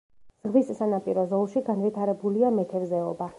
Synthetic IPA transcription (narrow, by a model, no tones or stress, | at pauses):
z̥ʁmisːanapʼiɾɔzɔlˠʃiɡanvit̪ʰaɾɛbuliamɛt̪ʰɛvzɛɔba